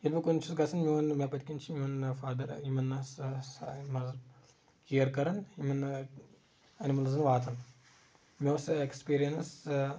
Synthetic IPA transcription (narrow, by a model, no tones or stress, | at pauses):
ilʲbɐkunt͡ʃʰusɡɐsʰɐnmʲiɐnmʲepɐt̪ikʲint͡ʃʰiimɐnfaːd̪ɐɾimɐnːɐssmɐz | kiɐɾkɐɾɐnimɐn | ɐnimɐlɐzɨnʋaːt̪ʰɐn | mʲeɐsekspiːɾijɐns